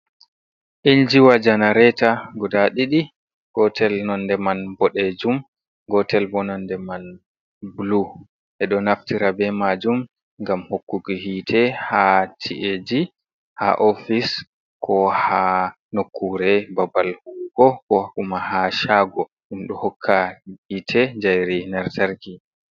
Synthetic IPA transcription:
ʔiɲd͡ʒiwad͡ʒanaɾɛtaɡɔdaɗiɗi | ɡ̥ɔtʰɛlnɔndɛmanbɔɗed͡ʒum | ɡɔtɛlbɔnɔndɛman | blu | ʔɛɗɔnaftiɾabɛmad͡ʒum | ŋɡamhokːuɡihitʰɛhatʰiʔed͡ʒi | ha̰ʔofis | kʰɔha | nokʰːuɾɛbabalhuɡɔkɔʔumahaʃaɡɔ | ʔimɗɔhɔkʰːahitʰɛd͡ʒajɾinaɾtaɾki

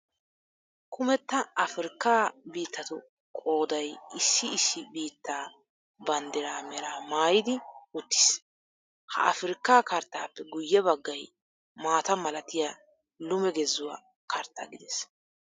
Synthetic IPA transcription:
kʰʊmɛt̪ːɐɐfɪɾɪkːaːbiːt̪ːɐt̪ʊ | kʼo̞ːd̪ɐjɪsːɪɪsːɪbiːt̪ːaː | bɐnd̪ɪɾaːmɛɾaːmaːjɪd̪ɪʊt̪ːɪ̥s | hɐ̰ɐfɾɪkːaːkɐɾt̪ːaːpːɛɡʊjːɛbɐɡːɐj | maːt̪ɐmɐlɐt̪ɪja | lʊmɛɡɛzːʊwa̰ | kɐɾt̪ːa̰ɡɪd̪ɛs

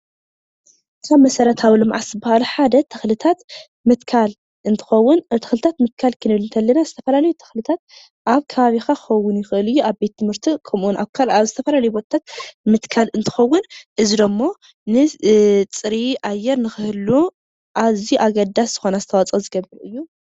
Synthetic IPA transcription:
ɨkʰaβmɐsɐɾɐt̪ʰawilɨmʕa̰sɨbːahaluħad̪ɐt̪ʰɐxlɨt̪ʰat̪ | mɨt̪kʰal | ʔɨnt̪ʰɨ̥xɐwːʊnt̪ʰɐxlɨt̪ʰat̪mɨt̪̚kʰalkʰɨnɨβlɨnt̪ʰɐlːɐnazɨt̪ʰɐfɐlalɐjut̪ʰɐ̥xlɨt̪ʰat̪̚ | ʔaβkʰɐβaβixaxɐwːʊnjɪxɨʔɨlɨjːuaβbe̞t̪ʰːɨmhɨɾt̪ʰikʰɐmʔunʔaβkʰalaβzɨt̪ʰɐfɐlalɐjubo̞t̪ʰɐt̪ʰat̪̚mɨt̪kʰalɨnt̪ʰɨ̥xɐwːʊnʔɨzid̪omːo̞ | nɨt͡sʼɨɾiʔajːɛɾnɨxɨhɨlu | ʔaβziʔaɡɐd̪asz̥ɨxo̞nazɨt̪ʰɐwat͡sʼɐzɨɡɐβɨɾʔɨjːu

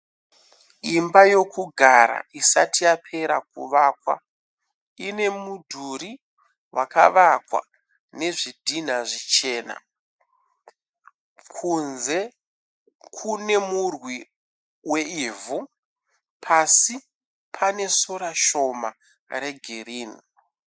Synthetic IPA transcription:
imbajo̞kuɡʱaɾa̰isa̰tijapʰe̞ɾakṵʋaːkwa̰ | ine̞mudʱuri | wa̰ka̰ʋakwa̰ | ne̞ʐidʱin̤aʐit͡ʃe̞ːna̰ | kʰunze̞ | kʰune̞murwi | we̞ivu | pʰasi | pʰane̞soɾaʃo̞ma | ɾe̞ɡʱeriːni

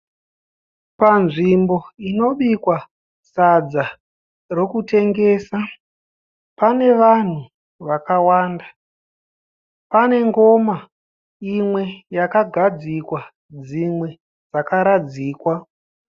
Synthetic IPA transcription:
panʐimbo̞ino̞ɓikwa | sad͡za | ro̞kute̞ŋɡe̞ːsa | pane̞ʋan̤u | ʋakawaːndḁ | pane̞ŋɡo̞ma | imwe̞jakaɡʱad͡zikwa | d͡zimwe̞ | d͡zakaɾad͡ziːkwa

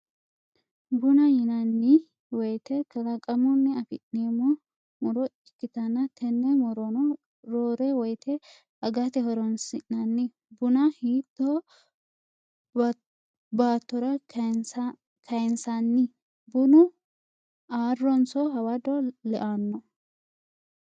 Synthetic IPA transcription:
bʊnɐjɪnɐnːɪ | wɔjt̪ɛkɐlɐkʼɐmɔnːɪɐfɪʔneːmːɔ | mʊɾɔɪkːɪt̪ɐnːɐt̪ʰɛnːɛmɔɾɔnɔ | ɾoːɾɛwɔjt̪ɛ | ʔɐɡɐt̪ɛɦɔɾɔnsɪʔnɐnːɪ | bʊnɐhiːt̪ːɔ | baːt̪ːɔɾɐ | kʰɐjnsɐnːɪ | bʊnʊ | aːrːɔnsɔɦɐwɐd̪ɔlɛʔaːnːɔ

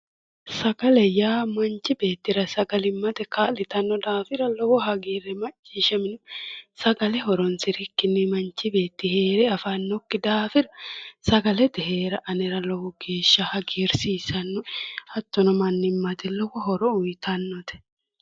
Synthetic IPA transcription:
sɐɡɐlɛjaːmɐnt͡ʃɪbe̞ːt̪ːɪɾɐsɐɡɐlɪmːɐt̪ɛkaːlɪt̪ɐnːɔd̪aːfɪɾɐlɔwɔɦɐɡiːɾɛmɐt͡ʃʼːiːʃɐmɪnsɐɡɐlɛɦɔɾɔnsɪɾikːɪnːɪmɐnt͡ʃɪbe̞ːt̪ːɪheːɾɛɐfɐnːɔkːɪd̪aːfɪɾɐsɐɡɐlɛt̪ɪhe̞ːɾɐʔɐnɪɾɐlɔwɔɡe̞ːʃːɐhɐɡiːɾsiːsɐnːɔhɐt̪ːɔnɔmɐnːɪmːɐt̪ɛlɔwɔɦɔɾɔʊjt̪ʰɐnːɔt̪ɛ̥

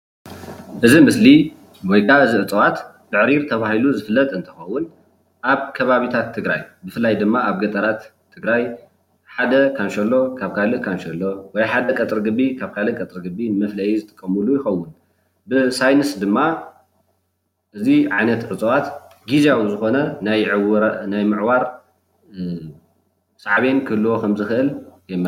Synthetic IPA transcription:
ʔɨzimɨsli | wɔjkʰaɨziʕɨt͡sʼɐwat̪t̪ɨʕɾiɾt̪ʰɐβahiluzɨfɨlːɐt̪ʼɨnt̪ʰɨ̥xɐwːʊn | ʔaβkʰɐβaβit̪ʰat̪ʰːɨɡɾa̰jbɨfɨlːajd̪ɨmːaʔaβɡɐt̪ʼɐɾat̪ʰː | ɨɡɾaj | ħad̪ɐkʰanʃɐlːo̞kʰaβkʰalɨʔkʰanʃɐlːo̞wɔjħad̪ɐkʼɐt̪ʼɾɡɨbːikʰaβkʰalɨkʼɐt̪ʼɾɡɨbimɐflɐjizɨt̪ʰʼɨ̥kʼːɐmulujɪxɐwːʊn | bɨsajnɨsd̪ɨmːa | ʔɨziʕajnɐt̪ʕɨt͡sʼɐwat̪ɡizawuzɨxo̞nɐnajʕnajmɨʕwaɾ | saʕβe̞nkʰɨhɨlːuwokʰɐmzɨxɨʔɨljɛmːɨ

